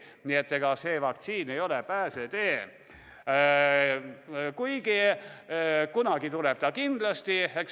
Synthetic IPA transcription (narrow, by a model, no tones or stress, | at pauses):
niet̪ːeɡ̥ɑseːvɑk̚t̪siːnejo̞lepæːset̪eː | kujɡ̥i | kunɑɡ̥it̪uleb̥t̪ɑkind̪̥lɑst̪iek